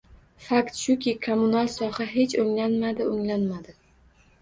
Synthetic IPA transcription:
fakt̪ʃʊkʲɪkʰomʊnalˠsɒhaɦe̞t͡ʃɵŋlanmad̪ɪɵŋlanmad̪ɪ

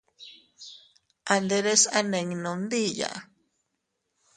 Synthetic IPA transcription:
and̪eɾesaneŋnond̪ija̰

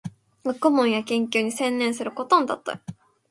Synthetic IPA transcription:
βakɯmõɰ̃jakẽ̞ŋkʲɨːɲ̟isẽ̞nːẽ̞ɰ̃sɨɾɯ̟ko̞t̪õnd̪a̰t̪ːa̰

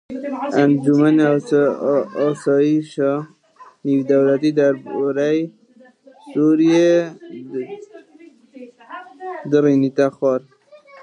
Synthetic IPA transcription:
and͡ʒuman | sɑjiʃɑ | niwd̪awlat̪id̪aɾbɔɾaj | suɾije | d̪əɾinit̪axɑɾ

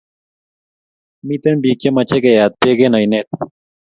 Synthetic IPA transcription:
mit̪enbiːkemɐt͡ɕʰekejaːd̪̚peɡenɐjnet̪

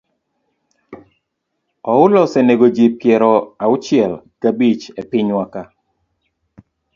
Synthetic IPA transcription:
ɔʊlɔsɛneɡod͡ʒip̚kjɛɾɔaʊt͡ʃɛlkabit͡ʃepɪɲwaka

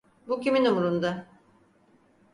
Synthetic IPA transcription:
bucʲiminumuɾund̪a

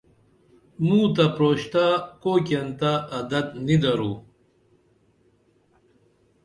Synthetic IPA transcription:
mũːt̪apɾoːɕt̪akok̬ɐnt̪aʔɐd̪ɐt̪nid̪ɐɾuː

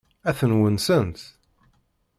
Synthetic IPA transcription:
æθənwənsənt̪

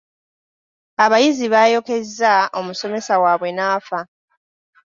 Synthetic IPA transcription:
aβajiziβajo̞ke̞zːao̞muso̞me̞sawaːβwe̞naːfa

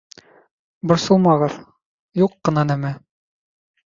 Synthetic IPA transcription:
bŏɾsɤ̆lˠmɑʁɤð | juqːɤ̆nɑnæmæ

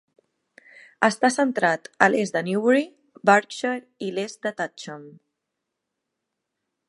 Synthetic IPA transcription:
əst̪asənt̪ɾat̪əlezd̪əniwɾi | baɾkʃəɾ | ilezd̪ət̪at͡ʃəm

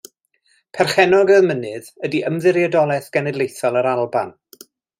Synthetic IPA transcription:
pʰɛrχɛnɔɡəmənɨðədiʔəmðɪɾjadɔlˠɛθɡ̥ɛnɛdlˠejθɔlˠəɾalˠban

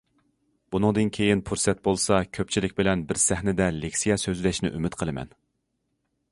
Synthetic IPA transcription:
b̥unɨŋd̪ɨnkʲʰejinpʰuɾsɛt̪̚bolˠsɑkʲʰøp̚t͡ʃʰilɪkʲbɪlɛnbɪɾsɛhnɪd̪ɛlekʲsijɑsøzlɛʃnɪ̰ʔymɪt̪qʰəlˠɨmɛ̰n

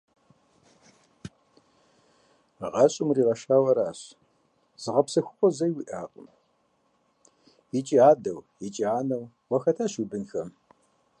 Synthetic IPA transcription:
ʁɐɕʼɪmriːʁɐʃaːwɐɾaːɕ | z̥ɨʁɐpsɐxʷʊqʷʼɔzɐjwiʔaːqʼʊ̰m | jit͡ʃʼiaːdɐwjit͡ʃʼiaːnɐw | wʷɐxɐtʰaːɕubɨnxɐm

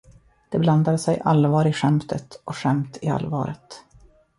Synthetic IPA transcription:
d̪̥ɛbland̪ad̪sɛjʔalvɑːɾɪɧɛmt̪ʰət̪ʔɔɧɛmt̪ɪa̰lvɑ̰ːɾət̪

